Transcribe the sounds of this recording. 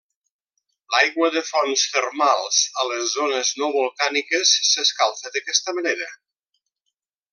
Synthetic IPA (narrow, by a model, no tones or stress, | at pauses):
lajɣwəðəfɔnst̪ərmalˠzələzːonəznoβulˠkanikəsːəskalˠθəðəkɛst̪əməneɾə